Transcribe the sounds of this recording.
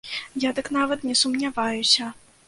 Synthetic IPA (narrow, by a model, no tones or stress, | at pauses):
jad̪ɨknavɐt̪nʲɛsumnʲavajusʲɐ